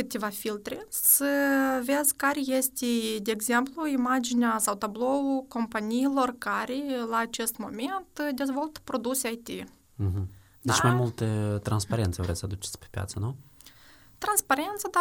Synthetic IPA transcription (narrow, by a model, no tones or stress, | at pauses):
kɨt̪ʲevafilt̪ɾesəve̞zʲkaɾʲejest̪ʲed̪eːɡze̞mpluimad͡ʒinʲasawt̪ablo̞uko̞mpanijːlo̞rkaɾelaːt͡ʃe̞st̪mo̞̰me̞nt̪d̪ʲe̞zvo̞lt̪pɾo̞d̪usʲeajt̪i | ɦ̩ | d̪et͡ʃmajmult̪et̪ɾanspaɾent̪sevɾesəad̪ut͡ʃe̥sʲpe̥pʲja̰t̪sənu | t̪ɾanspaɾe̞nt̪sad̪a